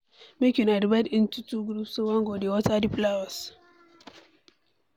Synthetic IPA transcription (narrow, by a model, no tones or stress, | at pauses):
mekʲunadibadintutuɡɾupsuwaŋɡodiwɔtadiplawɔs